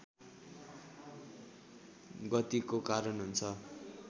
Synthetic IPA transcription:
ɡʌt̪ikokaɾʌnɦunt͡sʰʌ

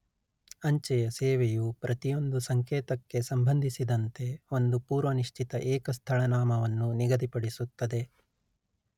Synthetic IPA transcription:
ɐɲt͡ʃɛjɐsɛːʋɛjupɾɐt̪ijo̞nd̪usɐŋkeːt̪ɐkːe̞sɐmbʱɐnd̪ʱisid̪ɐnt̪e̞o̞nd̪upuːɾʋɐniʂt͡ʃʰit̪ɐʔɛːkɐst̪ʰɐɭɐnaːmɐʋɐnːuniɡɐd̪ipɐɽisut̪ːɐd̪e̞

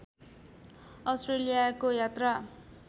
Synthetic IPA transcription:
ʌsʈrelijakojat̪ra

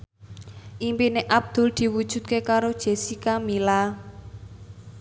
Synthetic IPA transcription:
ʔimpineʔab̚d̪̥ʊ̤ld̪̥i̤wud̥ʒ̥ṳd̪̚kekaɾod̥ʒ̥e̤sikamila

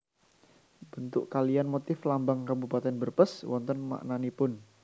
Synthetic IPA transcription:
bənt̪ʊʔkalijanmot̪ɪflambaŋkabupat̪ɛnbərpəswɔ̰nt̪ɔnma̰ʔnanipʊn

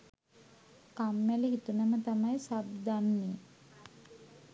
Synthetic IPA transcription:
kamːæleɦit̪unamət̪amajsab̚d̪anːi

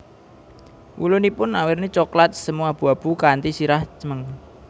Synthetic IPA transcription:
wṵlʊnipʊnawɪrnit͡ʃɔklat̪̚səmuab̥ṳab̥ṳkant̪isiɾaht͡ʃəməŋ

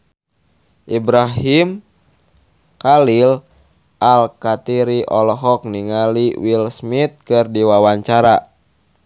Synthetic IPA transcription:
ʔibɾaɦim | kalil | ʔalkat̪iɾiʔɔlɔɦɔk̚niŋaliwilsmit̪̚kɨrdiwawaɲt͡ʃaɾa

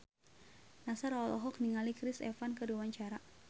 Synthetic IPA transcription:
nasaɾɔlɔ̰ɦɔk̚niŋalikɾɪsɛ̰fankəduwaɲt͡ʃaɾa

